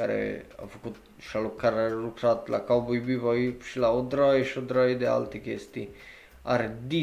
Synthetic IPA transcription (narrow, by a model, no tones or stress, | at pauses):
aɾḛa̰fukut̪ | ʃalukːaɾarutɾat̪lakawbujbipɔipʃilaod̪ɾajʃod̪ɾajd̪ea̰lt̪ɾikest̪i | a̰ɾed̪i